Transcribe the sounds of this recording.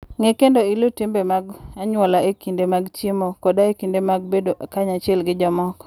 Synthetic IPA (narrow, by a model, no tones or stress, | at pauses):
ŋɛkendoilotimbemaɡaɲwɔlaʔekindemaɡt͡ʃimokɔdaekindemaɡ̚bedoʔkaɲat͡ʃɪɛlɡɪd͡ʒɔmɔk